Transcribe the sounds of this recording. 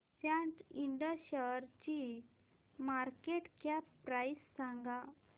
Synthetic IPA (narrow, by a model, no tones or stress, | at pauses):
sjãʈiɳɖəɕəɾt͡ɕi | maɾkeʈkjapɾajsːãŋɡã